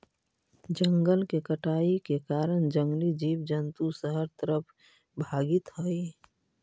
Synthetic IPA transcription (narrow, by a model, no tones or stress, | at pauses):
d͡ʒəŋɡəlkekəʈaːikekaːɾənd͡ʒə̃ŋɡlid͡ʒiːʋd͡ʒənt̪usəɦəɾt̪əɾəpʰ | bʱaːɡɪt̪ɦoi